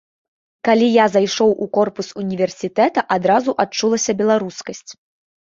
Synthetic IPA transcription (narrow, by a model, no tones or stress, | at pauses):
kalʲijazajʂɔwʔukɔrpusunʲivʲɛrsʲit̪ɛt̪ɐʔad̪ɾazuʔat͡ʂulˠɐsʲɐbʲɛlˠaɾuskɐsʲt͡sʲ